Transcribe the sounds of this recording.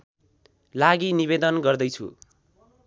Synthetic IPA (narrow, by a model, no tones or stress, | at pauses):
laɡiniβed̪ʌnɡʌrd̪ʌjt͡sʰṵ